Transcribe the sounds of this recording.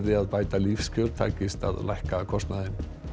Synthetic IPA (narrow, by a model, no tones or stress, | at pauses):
ðɪaðpaːjt̪alifscɔɾt̪ʰa̰ːjcɪst̪a̰ðlajhkakʰɔst̪naðɪn